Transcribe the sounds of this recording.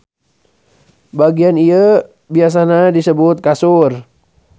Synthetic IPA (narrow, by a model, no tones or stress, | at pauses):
baɡianiə | bias̬anadisəbʊt̪̚kasʊr